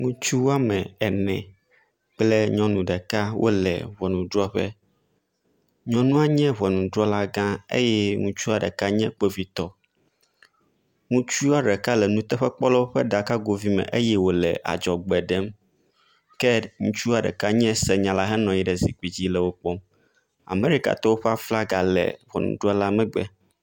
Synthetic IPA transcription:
ŋũ˦t͡ʃu˦wa˦mɛ̃˨ɛ˨nɛ̃˨ | k͡plɛ˦ɲɔ̃˦nũ˨ɖɛ˨ka˦wʔo̰˦lɛ̰˨βɔ˨nũ˨dɾɔ˦ɸɛ̰˦ | ɲɔ̃˦nũ˦a˦ɲɛ̃˦βɔ˨nũ˨dɾɔ˦la˦ɡã˦ḛ˦jɛ˦ŋũ˦t͡ʃu˦a˨ɖɛ̰˨ka˦ɲɛ̃˦k͡pe˦vi˦t̪ɔ˦ | ŋũ˦t͡ʃu˦a˦ɖɛ˨ka˦lɛ˨nũ˦t̪ɛ˦ɸɛ˦k͡pɔ˦lɛ˦wo˦ɸɛ˦ɖa˨ka˦ɡo˨vi˦mɛ̰̃˨ʔe˦jɛ˦wo˨lɛ̰˨ʔa̰˨d͡ʒɔ˨ɡ͡bɛ˨ɖɛ˦m | kɛ˦ŋũ˦t͡ʃu˦a˨ɖɛ̰˨ka˦ɲɛ̃˦sɛ˨ɲã˨la˦ɦɛ˦nɔ̃˨ji˦ɖɛ˨zi˨k͡pi˨d͡ʑi˦lɛ˨wo˦k͡pɔ˦m | a̰˨me˦ɾi˦ka̰˨t̪ɔ˦wo˦ɸɛ˦a˦fla˦ɡa˨lɛ̰˨wɔ̰˨nṵ̃˨ɖɾɔ˦la˦mɛ̃˦ɡ͡bɛ̰˦

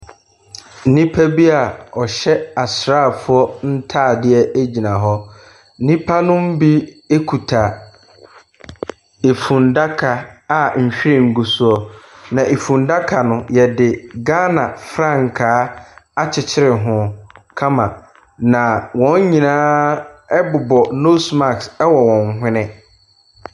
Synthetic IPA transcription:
n̩˦nĩ˦pʰa˦bi˦a˨ɔ˨ɕɛ˦a˨sɾa˦˨fʊ˦ɔ˦n̩˦tʰaː˦˨dɪ˦ɛ˦e˦d͡ʑi˨nã˨ɦɔ˦ | n̩˦nĩ˦pʰa˦nʊ̃˦m̩˦bi˦ | e˦kʰu˨tʰa˨ | e˨fũ˨nda˦kʰa˨a˨m̩˨ɕᶣi˦ɾɪ̃˦˨ŋ̩˨ɡu˨su˦ɔ˦nã˨ʔe˨fũ˨nda˦kʰa˨nʊ̃˦jɛ˨dɪ˨ɡa˦nã˨fɾã˦ŋ˨kʰaː˦a˦t͡ɕʰɪ˨t͡ɕʰɪ˦ɾɪ˨ɦʊ̃˨kʰã˦mã˨ | nã˨wɔ̃˨˦ɲ˦ɲĩ˨nãː˦ɛ˦bʊ˨bɔ˨no˦sma˨ksɛ˦wɔ˨wɔ̃˨nɦʷɪ̃˦nɪ̃˦

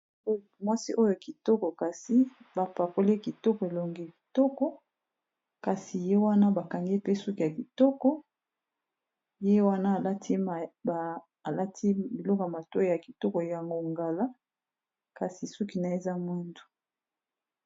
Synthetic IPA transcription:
mwa˦si˦ʔo˦jo˨a˨ki˨tɔ˦kɔ˨ka˨si˦ba˨pa˨ko˦le˦ki˨tɔ˦kɔ˨e˨lo˨ŋɡi˦˨ki˨tɔ˦kɔ˦ | ka˨si˨je˦wa˦na˦ba˨ka˨ŋɡe˦pe˦su˦ki˨ja˨ki˨tɔ˦kɔ˦ | je˦wa˦na˦˨la˦tʰi˦˨ | a˨la˦tʰi˦bi˨lɔ˦kɔ˨ja˨ma˨to˦˨ja˨ki˨tɔ˦kɔ˨ja˨ŋɡo˦ŋɡa˨la˦ | ka˨si˨su˦ki˨na˨e˨za˦mwe˦ndu˨

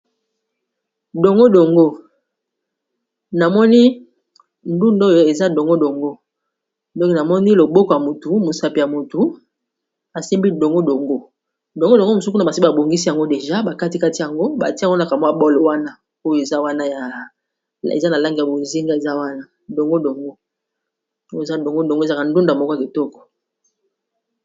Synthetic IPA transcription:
do˨ŋɡo˦do˨ŋɡo˦ | na˨mɔ˦ni˦ | n˦du˦ndo˦jo˨e˨za˦do˨ŋɡo˦do˨ŋɡo˦ | dɔ˦kna˨mɔ˦ni˦lo˨bo˦kɔ˨ja˨mo˨tu˨mo˨sa˨pi˨ja˨mo˨tu˨ | a˨si˦mbi˦do˨ŋɡo˦do˨ŋɡo˦ | do˨ŋɡo˦do˨ŋɡo˦mo˨su˦k̬u˦na˨ba˨si˦a˨bo˨ŋɡi˦si˦ja˨ŋɡo˦de˨ʒa˦ba˨ka˦ti˨ka˦ti˨ja˨ŋɡo˦ba̰˨ti˦˨˦o˦a˨ka˨mwa˦bɔ˦lwa˦na˦ | o˦jo˦e˨za˦wa˦na˦ja˨ | ḛ˨za˦na˨la˦ŋɡi˨ja˨bo˨zi˦ŋɡa˦e˨za˦wa˦na˦ | do˨ŋɡo˦do˨ŋɡo˦ | o˦˨za˦do˨ŋɡo˦do˨ŋɡza˦ka˨ndu˦ndo˨a˨mɔ˦ka˨ki˨tɔ˦kɔ̥˨

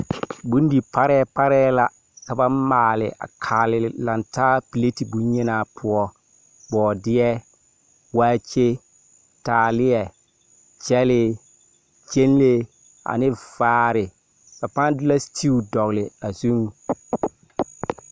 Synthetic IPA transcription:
bũ˦n˦di˨pa˦ɾɛː˦pa˦ɾɛː˦la˦ | ka˨ba˦maː˨lɪ̰˨ʔa̰˨kʰaː˨lɪ˨la˨ntaː˦pi˨le˦ti˨bu˦ɲ˦ɪ˦naː˨pʰʊ˦ɔ˦ | bɔː˨dɪ˦ɛ˦ | waː˦t͡ʃe˦ | taː˨lɪ˦jɛ˨ | t͡ʃɛ˦lɪ˦ | d͡ʒe˦n˦le˦ | a̰˨nɪ˦vaː˨˦ɾɪ˨ | fa˨pa˦n˦dɪ˦la˦stʰi˦u˨dɔ˨ɣlɪ˨a˨zu˦ŋ˨

